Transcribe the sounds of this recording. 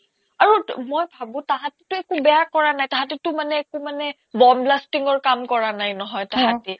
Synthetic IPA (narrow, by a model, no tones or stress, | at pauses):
aɹumojbʱabʊ̃taɦatitʊɛkubɛjakɔɹanajtaɦatitʊmanɛːkumanɛ | bɔmblastiŋɔɹkamkɔɹanajnɔɦɔjtaɦatɛ